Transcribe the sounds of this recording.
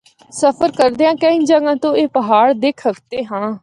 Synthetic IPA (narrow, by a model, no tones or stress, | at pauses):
səpʰəɾkəɾd̪eːãːkə̃ĩːd͡ʒəɡãːt̪õːeːpəɦaːɽd̪eːkʰəkt̪eːɦãː